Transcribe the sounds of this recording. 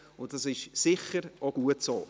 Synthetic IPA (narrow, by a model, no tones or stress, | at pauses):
ʊntd̥ɑsɪʃsɪχəɾoɡ̥uətsoː